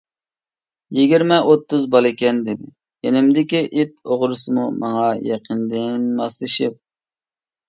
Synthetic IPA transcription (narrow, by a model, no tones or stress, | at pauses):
jiɡʲiɾmɛʔot̪ːuzbɑlˠɪkʲɛnd̪ɪd̪ɪ | jenɪmd̪ɪkʲiʔit̪̚oʁɾɨsɨmumɑŋɑjɑqʰənd̪ɪnmɑslˠɨʃip̚